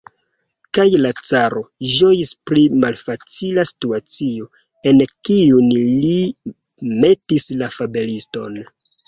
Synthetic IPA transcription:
kajlat͡saɾo̞ʒo̞jispɾimalfat͡silasi̥tuat͡sio̞ | e̞nkiunli | me̞tislafabe̞listo̞n

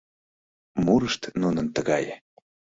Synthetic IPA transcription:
muɾəʃt̪nunənt̪əɣɑj

